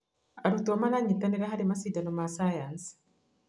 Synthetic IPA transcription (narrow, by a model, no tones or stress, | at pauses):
aɾut̪uamalaɲːit̪ːaneɾaɦadimasidanomasajans